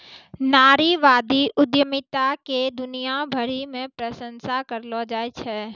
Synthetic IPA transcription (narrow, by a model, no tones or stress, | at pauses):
naːɾiʋaːd̪iʔʊd̪jəmɪt̪aked̪ʊnijabʱəɾimẽpɾəsə̃nsakəɾlod͡ʒaːet͡ʃʰɛː